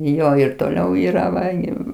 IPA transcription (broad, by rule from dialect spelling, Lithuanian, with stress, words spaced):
ˈjoː ɪr toːˈlʲɛʊ ˈiːrɐ ˈʋɐ ɡʲɪ